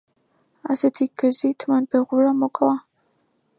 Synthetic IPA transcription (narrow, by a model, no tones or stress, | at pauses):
asɛt̪ʰiɡ̥zit̪ʰmanbɛʁuɾamɔkʼlˠa